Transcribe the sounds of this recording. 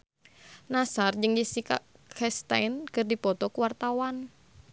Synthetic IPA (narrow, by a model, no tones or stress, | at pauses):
nasard͡ʒəŋdisika̰kʰɛst̪a̰jnkərdipɔt̪ɔkuwart̪awan